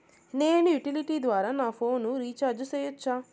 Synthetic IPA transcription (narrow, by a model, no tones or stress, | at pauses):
ne̞ːnujuʈiliʈiːd̪ʋaːɾaːnaːpʰo̞ːnuɾiːt͡ʃaːɾd͡ʒuseːjut͡ʃːaː